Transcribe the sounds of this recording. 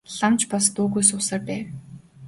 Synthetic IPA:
ɮamt͡ɕpɔst̪uːɣujs̬ʊːsăːrp̪æːw

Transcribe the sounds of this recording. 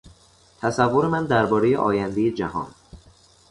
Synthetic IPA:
t̪ʰæsævːoɾemænd̪æɾbɒːɾeje̞̰ʔɒ̰ːjænd̪ejed͡ʒæɦɒ̰ːn

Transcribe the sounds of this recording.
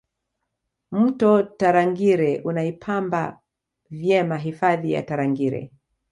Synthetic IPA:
m̩tɔtaɾaŋɡiɾɛʔunaipʰamba | vjɛmaɦifaðija̰taɾaŋɡiɾɛ̰

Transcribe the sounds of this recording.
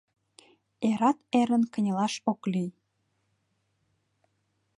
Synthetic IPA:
eɾɑt̪eɾənkə̆nʲəlɑʃoklij

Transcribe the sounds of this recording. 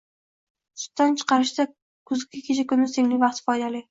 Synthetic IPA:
sʰʊ̥t̪ːant͡ʃʰɨ̥qʰɑɾɪʃd̪a | kʰʊzɪkʲːɪkʲʰet͡ʃʰakʊnɪse̞ŋlɪŋʲvɑq̚t̪fɒjd̪alɪ

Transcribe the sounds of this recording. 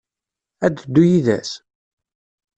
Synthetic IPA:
æd̪əd̪ːujiðæ̰s

